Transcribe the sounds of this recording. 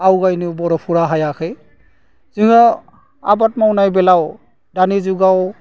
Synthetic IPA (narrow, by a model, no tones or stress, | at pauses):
awɡajnɯbɔɾɔpʰuɾaɦajakʰɯj | zɯŋa | a̰batmawnajbɛlaw | danizuɡaw